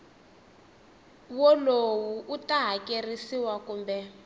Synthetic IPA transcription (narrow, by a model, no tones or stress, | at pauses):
wɔlowuʔutaɦakerisiwakuːmbɛ